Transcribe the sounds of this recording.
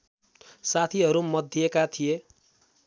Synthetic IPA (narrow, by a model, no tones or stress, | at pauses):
sat̪ʰiɦʌɾumʌd̪ʱːiekat̪ʰije